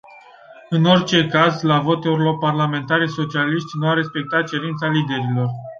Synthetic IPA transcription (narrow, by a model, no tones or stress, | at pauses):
ɨno̞rʲt͡ʃe̞kazlavo̞t̪uɾilo̞rparlame̞nt̪aɾeso̞t͡ʃialiʃt̪ʲnuaɾe̞spe̞k̚t̪at̪̚t͡ʃe̞ɾint̪salid̪e̞ɾilo̞r